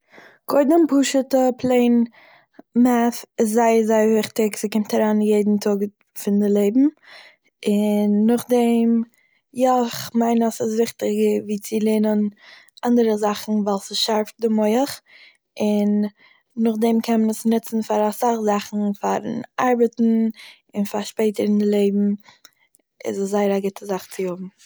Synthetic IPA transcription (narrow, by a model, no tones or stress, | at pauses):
kʰɔɪdəmpuːʃətəpʰlˠeɪn | mafɪs̬zaɪəzaɪəɾvɪχtɪksɪkɪmtʰaɾaːnjeɪdn̩tʰʊɡ | fɪndɪlˠeɪbm̩ | ɪnːʊχdɛm | jɔɪχmaɪnɔsɪsvɪχtɪɡəviːt͡sɪlˠenən | ʔandəɾəzaχn̩valˠsɪsʃaɾfdɪmɔɪəχ | ɪnː | ʊχdɛmkʰɛnmənəsnɪt͡sn̩faɾasaχzaχn̩faɾnaɾbətn̩ | ɪnfaɾʃpeɪtəɾɪndɪlˠeɪbm̩ | ɪ̰səszaɪəɾaɡɪtʰəzaχt͡sɪhʊbm̩